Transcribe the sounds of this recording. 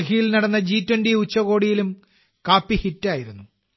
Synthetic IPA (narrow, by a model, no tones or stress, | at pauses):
kijilnɐɽɐnːɐd͡ʑiːtwɐndiut͡ɕːɐɣo̞ːɽijilum | kaːpːihitːaːjiɾunːu